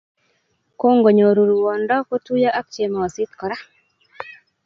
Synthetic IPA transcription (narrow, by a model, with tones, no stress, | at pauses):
ko˦ŋɡo˨ɲo˨ɾu˨ɾu˨wɔ˨ndɔ˦ko˦tu˦ja˦ʔa˦k̚t͡ʃe˨ma˨ɔ˨sɪ˦t̪kɔ˨ɾa˦